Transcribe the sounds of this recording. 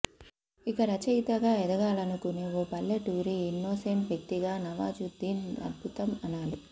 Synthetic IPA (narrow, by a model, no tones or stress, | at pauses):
ikɐɾɐt͡ʃɐjt̪ɐɡaːɛd̪ɐɡaːlɐnukuneːoːpɐlːeʈuːɾiinːoːseɳʈʋjɐk̚t̪iɡaːnɐʋaːd͡ʒud̪iːnɐ̰d̪̚bʱut̪ɐmɐnaːli